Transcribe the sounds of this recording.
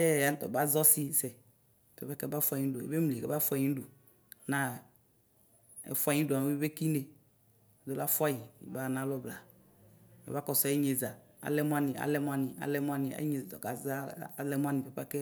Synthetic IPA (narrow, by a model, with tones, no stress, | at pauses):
ɛ˦˨ja˨˦t̪ɔ̰˨ba˦zɔ˦si˦sɛ˨ | pɛ˦pɛ˦kɛ˦ba˦fa˦˨ɲĩ˦do˨ḛ˦be˦m˨le˨kɛ˦ba˦fu˦a˦˨ĩ˦ɖo˨ | nã˦ | ḛ˨fu˦a˦˨ɲĩ˦do˨a˨˦i˦be˦ki˦ne˨ | d̪o˦la˦fu˦a˦ji˨ḭ˨ba˦˨nã˦lɔ˦bla˨ | mḛ˨ba˦kɔ˨sɔ˨˦i˦ɲe˨za˨ | a̰˨˦lɛ˦mũ˦a˦nĩ˨a̰˨lɛ˦m˦a˦nĩ˨a̰˨lɛ˦mɔ̃˦a˦nĩ˨a̰˨˦ɲe˨zd̪ɔ̰˨ɡa˨za˦˨˦lɛ˦mũ˦a˦nĩ˨pɛ˦pa˦kɛ˦